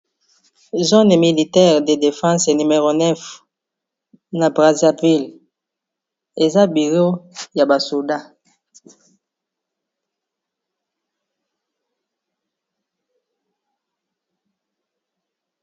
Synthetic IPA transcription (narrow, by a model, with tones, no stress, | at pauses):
zo˦n˨mi˨li˨tɛ˦˨ʁde˨de˨fɑ̃˦sny˨me˨ʁo˨nɛ˦f | na˨bʁa˨za˨vi˦˨l | e˨za˦bi˨lo˦ja˨ba˨su˨da˦